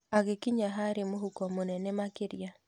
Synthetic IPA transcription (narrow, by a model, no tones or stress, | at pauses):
aɣekiɲaɦaɾemoɦukɔmonɛnɛmakɪɾja